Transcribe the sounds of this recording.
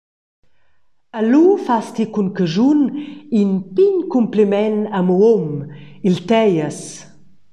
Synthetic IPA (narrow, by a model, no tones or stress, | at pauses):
alufast̪ikunkəʒuninpiɲkumplimɛnamuomilt̪ɛjəs